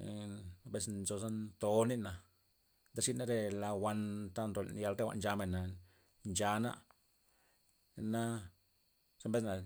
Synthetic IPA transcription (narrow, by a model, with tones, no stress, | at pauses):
be˦s̬nzo˧za˦nt̪o˧˦ni˦na˨ | nd̪a˦ʂi˦na˦ɾe˧la˧wʷa˧nt̪a˦nɾo˨l̰n˨ja˧lɾe˦wa̰˨nd͡ʒa˧me˨na˨ | nd͡ʒa˧na̰˦ | na˦ | smbe˦s̬na˨